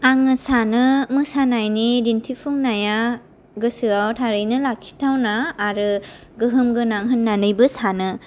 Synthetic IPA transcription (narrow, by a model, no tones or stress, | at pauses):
aŋɯsanɯmɯsanajniɾintʰipʰuŋnaja | ɡɯsɯawtʰaɾɯjnɯlakʰi̥tʰawnaːɾɯ | ɡɯɦɯmɡɯnaŋɦɯnːanɯjbɯsanɯ